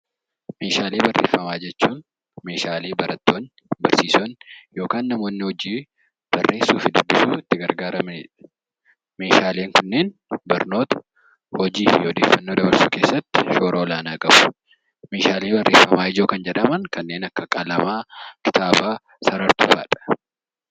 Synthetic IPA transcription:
me̞ːʃaːleːbɐrːeːfːɐmaːd͡ʒɛt͡ʃːuːn | me̞ːʃaːleːbɐɾɐt̪ːo̞ːn | bɐɾsiːsoːnjo̞ːkaːnːɐmo̞ːnːɪhɔd͡ʒiː | b̥ɐrːʔe̞ːsːuːfɪd̪ʊbːɪsuːɪt̪ːɪɡɐɾɡaːɾɐmɪnɪᶑ | me̞ːʃaːleːŋkʊnːe̞ːnbɐɾno̞ːt̪ɐ̥ | hɔd͡ʒiːfɪjɔd̪eːfːɐnːoːd̪ɐbɐɾsuːke̞ːsːɐt̪ːɪ̥ʃo̞ːɾʔoːlaːnaːkʼɐb̥ʊ̥ | me̞ːʃaːleːbɐrːe̞ːfːɐmaːɪd͡ʒoːkɐnd͡ʒɛᶑɐmɐŋkɐnːe̞ːnɐkːɐkʼɐlɐmaːkɪ̥t̪aːbaː | sɐɾɐɾt̪ṵːfa̰ːᶑɐ̥

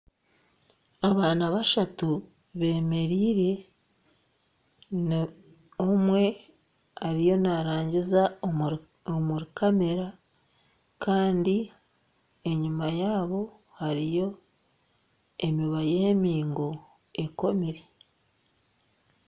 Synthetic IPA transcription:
aβaːnaβaʃatu | βe̞ːme̞ɾiːɾe̞ | n | omwe̞ | aɾijo̞naɾaːɲɟiza | omuɾikʰame̞ɾa | kaːndi | e̞ɲumajaːβo̞ | haɾijo̞ | e̞miβajeːmiːŋɡo̞ | e̞ko̞miɾe

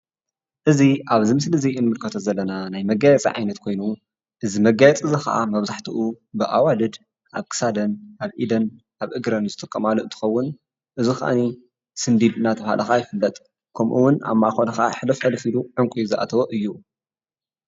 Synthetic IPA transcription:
ʔɨziʔaβzimɨslɨzijʔɨnmɨlkʰɐt̪ʰozɐlːɐnanajmɐɡajɛt͡sʼḭʕa̰jnɐt̪̚kʰo̞jnu | ʔɨzimɐɡajɛt͡sʼɨzixɐ̰ʔa̰mɐβzaħt̪ʰiʔu | bɨʔawalɨd̪ | ʔaβkʰɨ̥sad̪ɐnʔaβʔid̪ɐn | ʔaβʔɨɡɾɐnzɨt̪ʼɨkʼːɐmaloʔɨnt̪ʰɨ̥xɐwːʊn | ʔɨzuxɐ̰ʔa̰ni | sɨnd̪id̪ɨnat̪ʰɐβha̰lʔɐxajɪfɨlːɐt̪ʼ | kʰɐmʔuwʊna̰mːaxonɐxa̰ħɨlɐfɐlfiluʕɨŋkʷʼujzɨʔa̰t̪ʰɐβoʔɨjːu

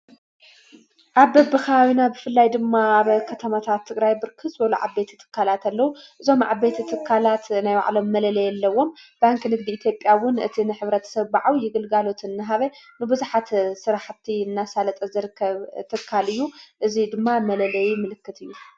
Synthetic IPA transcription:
ʔaβbɐbɨxawinabɨfɨlːajd̪ɨmːaaβkʰɐt̪ʰɐmat̪ʰat̪ʰːɨɡɾajbɨɾkʰɨswɐlṵʕa̰be̞t̪ʰi̥t̪ʰɨ̥kʰːalat̪ʰalːɐwuʔɨzo̞mʕa̰bet̪ʰit̪ʰɨkʰːalat̪najwa̰ʕlo̞mːɐlɐlɐjɛlːɐwo̞mbaŋknɨɡ̚d̪iit̪ʰjo̞pʼːjawʊnɨ̰t̪ʰinɨħɨβɾɐt̪ʰɐ̥sɐβbaʕawjɪɡɨlɡalo̞t̪ɨnːɨɦaβenɨbɨzuħat̪sɨɾaħt̪ʰiɨnːasalɐt̪ʼɐzɨɾɨkʰːɐβt̪ʰɨkʰːalɨjːuʔɨzid̪ɨmːamɐlɐlɐjmɨlɨkːɨt̪ʰɨjːu

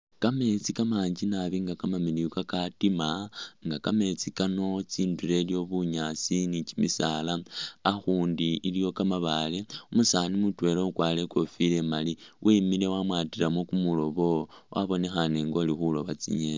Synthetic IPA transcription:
kame̞t͡sikamaːɲd͡ʒinaβiŋɡakamamiliukakatimaŋɡakame̞t͡sikano̞t͡siːndule̞ljo̞βuɲat͡sinit͡ʃimisalaaxuːndiːlijo̞kamaβaleumusanimutwe̞ɾoukwaːle̞ko̞file̞maliwʔimile̞wamwatilamokumulo̞βo̞wʔa̰βo̞ne̞xane̞ŋɡo̞lixulo̞βat͡sḭɲen

